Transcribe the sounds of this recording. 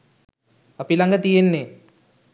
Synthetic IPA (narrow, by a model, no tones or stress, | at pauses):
apilaŋɡət̪ijenːe